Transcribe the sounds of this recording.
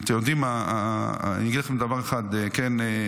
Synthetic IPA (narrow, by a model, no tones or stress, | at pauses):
t̪emjod̪ima̰ | nijaɡid̪laχemd̪avaʁeχad̪ekene